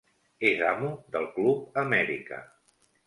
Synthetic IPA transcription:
ezamuðəlˠklup̚əmɛɾikə̰

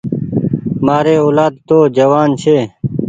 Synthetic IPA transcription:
maːɾeːoːlaːd̪̚t̪oːd͡ʑɐwaːnt͡ɕʰeː

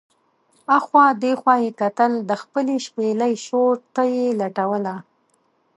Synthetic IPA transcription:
axwɑd̪exwɑjekat̪əld̪əxpəleʃpelajʃot̪əjelaʈawəla

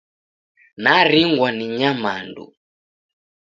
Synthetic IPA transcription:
naɾiŋɡwaniɲama̰ndṵ

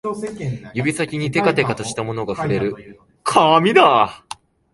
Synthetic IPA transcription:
jɯbʲisakʲiɲ̟it̪e̞kat̪e̞kat̪oɕi̥t̪amo̞no̞ɡaɸɯ̟ɾe̞ɾɯ̟ | kʰamʲid̪a

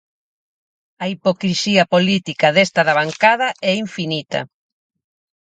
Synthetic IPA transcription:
ɐipokɾisiɐpolit̪ikɐðest̪ɐðɐβaŋkaðɐʔɛiɱfinit̪ɐ̰

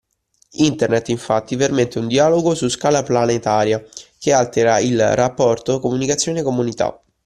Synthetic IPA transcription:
int̪ernet̪ːiɱfat̪ːiperment̪eund̪iaːloɡosuskaːlaplanet̪aːɾjak̟ealt̪eɾailrapːɔrt̪okomunikat̪sːjoːnekomunit̪a̰

